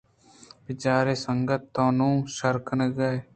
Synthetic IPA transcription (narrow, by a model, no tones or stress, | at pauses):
bɪt͡ʃaːɾeːsəŋɡət̪ːõːnũːʃəɾkʰnəɡəe